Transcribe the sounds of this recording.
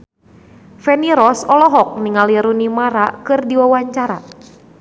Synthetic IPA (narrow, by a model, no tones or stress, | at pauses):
fɛniɾɔsɔlɔɦɔk̚niŋaliɾunimaɾakɨrdiwawaɲt͡ʃaɾa̰